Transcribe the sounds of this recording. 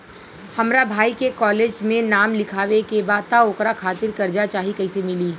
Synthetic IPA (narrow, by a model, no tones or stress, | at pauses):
hɐmɾabʱaːikekɔːleːd͡ʒmẽnaːmlɪkʰaːʋekebaːt̪aoːkɾakʰaːt̪ɪɾkɐɾd͡ʒat͡ʃaːɦikɐisemɪliː